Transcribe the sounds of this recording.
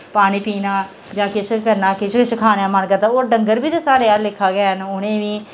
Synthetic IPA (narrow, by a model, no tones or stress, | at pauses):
paːɽ̃iːpiːnaː | d͡ʒãːkɪʃkəɾnaːkɪʃkɪʃəkʰaːnjãːmənkəɾd̪aːoːɖəŋɡəɾbiːd̪aːsaːɽeːaːɾlɪkʰːaːɡɛːɦənʊnẽːʋiː